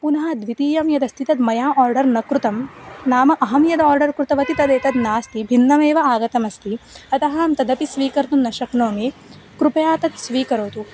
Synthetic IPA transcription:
punɐɦɐd̪ʋit̪iːjɐmjɐd̪ɐst̪ʰit̪ɐd̪mɐjaːʔaːɾɖɐɾnɐkɾut̪ɐmnaːmɐʔɐɦɐmjɐd̪ɐaːɾɖɐɾkɾut̪ɐʋɐt̪it̪ɐd̪eːt̪ɐd̪naːst̪ibʱinːɐmeːʋɐaːɡɐt̪ɐmɐst̪iɐt̪ɐɦɐːmt̪ɐd̪ɐpisʋiːkɐɾt̪unːɐʃɐknoːmi | kɾupɐjaːt̪ɐt̪sʋiːkɐɾoːt̪u

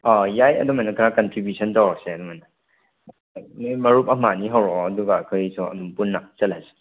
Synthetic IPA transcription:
ɔjajɐ̰dumajnakʰɾakɐntɾibjusʰɔntawɾseɐdumajna | mjmɐɾup̚ɐmaniɦawɾɔɐduɡakʰɯjsʰɔɐ̰dumpunːat͡ʃɐtlajse̥

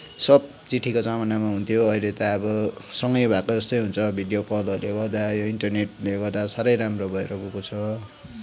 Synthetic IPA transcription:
sʌb̚ | t͡siʈʰikot͡samanamaɦunt̪ʰijoʌjlet̪aʌbʌsʌŋɡʌjbʱakod͡zʌst̪ʌjɦunt͡sʰʌbʱiɖijopʌlʌrleɡʌrd̪ajoiɳʈʌrneʈleɡʌrd̪asaɾʌjɾamrobʱʌeɾʌkukot͡sʰʌ

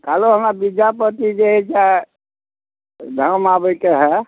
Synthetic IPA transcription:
kaloɦəmɾabid͡ʒapət̪id͡ʒeɦɛt͡ʃa | d̪ʱəmabəkeɦɛ

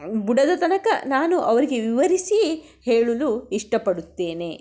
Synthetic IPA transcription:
buɽɐd̪ɐt̪ɐnɐkɐnaːnuʔɐʋɐɾiɡe̞ʋiʋɐɾisi | heːɭuluiʂʈɐpɐɽut̪ːe̞ːne

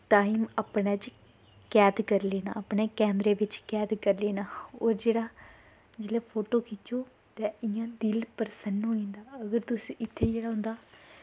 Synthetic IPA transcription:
ʈaːiːməpnɛːt͡ʃ | kɛːd̪kəɾleːnã̰ːəpɳeːkɛːnɾeːʋɪt͡ʃkɛːd̪kəɾleːnaːoːɾd͡ʒeːɽaː | d͡ʒeːlɛːpʰoːʈoːkiːt̪oː | t̪ɛ̃ːɪjãːd̪ɪlpəɾsənɦoːĩːnd̪aːəɡəɾt̪ʊsiːʔɪt̪ʰːeːd͡ʒeːɽaːɦʊ̃nd̪aː

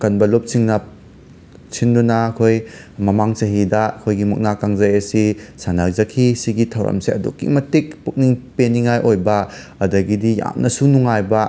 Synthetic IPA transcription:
kɐnbɐlop̚siŋnɐ | t͡ʃʰindunɐɐkʰoj | mɐmaŋt͡ʃɐɦidɐɐkʰojɡimɐ̰k̚nakaŋzɐjɐsisanakzɐkʰisiɡitʰɐwɾɐ̰mseɐdṵkːḭmɐtik̚puk̚niŋpeniŋajʔojbɐ | ɐdɐɡidija̰mnʔɐsunuŋajbɐ

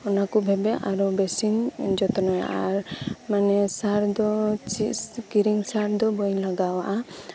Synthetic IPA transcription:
ɔnakubʱɛbɛʔaɾɔbɛsind͡ʒɔt̪ɔnɔja̰ʔaɾmanɛsaɾd̪ɔt͡ʃikiɾiŋsaɾd̪ɔbɔjlaɡawaʔa

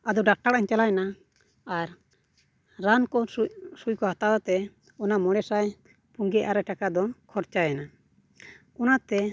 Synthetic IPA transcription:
ad̪ɔɖak̚ʈaɾʔaɲt͡ʃalajɛnaː | ɾː | ankɔsujkɔhat̪awat̪ɛ | ɔnamɔɽɛsaj | puŋɡɛʔaɾɛʈakad̪ɔkʰɔɾt͡ʃajɛna | ɔnat̪ɛ

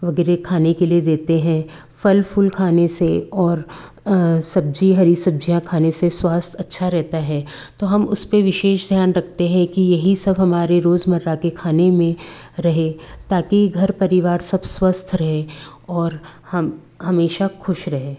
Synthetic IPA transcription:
ʋɐɡɛːɾekʰaːnekelied̪eːt̪eɦɛ̃ | fɐlfʊlkʰaːneseɔːɾ | sɐb̚d͡ʒiɦɐɾisɐb̚d͡ʒijãkʰaːneseswaːst̪ʰɐtːʃʰaɾɛɦt̪aɦɛː | t̪oːɦɐmʊspeʋɪʃeːʃd̪ʱjaːnɾɐkʰt̪eɦɛ̃kijɐɦisɐbɦɐmaːɾeɾoːzmɐɾɾakekʰaːnemẽɾɐɦet̪aːkiɡʱɐɾpɐɾɪʋaːɾsɐbswɐst̪ʰɾɐɦeɔːɾhɐm | ɦɐmeːʃaxʊʃɾɐɦeː

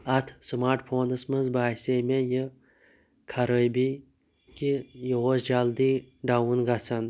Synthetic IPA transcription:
ɐt̪ʰsmaːɾʈfʰoːnəsmɐzbaːsemejə | kʰaɾəjbi | kijəwosd͡ʒald̪iɖawunɡat͡sʰɐn

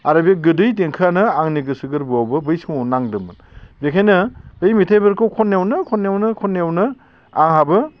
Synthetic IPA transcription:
aɾabieɡɯdɯjt̬eŋkʰɯanɯaŋniɡɯsɯɡɯɾbuawbɯbɯjsɯmawnaŋdɯmɯn | bekʰajnɯbɯjmitʰajbɯɾkʰɯwkʰɔnːewnɯkʰɔnːewnɯkʰɔnːawnɯ | aŋhabɯ

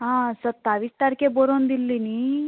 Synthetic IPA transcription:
ɦãsət̪ːaʋist̪aɾkeboɾond̪ilːini

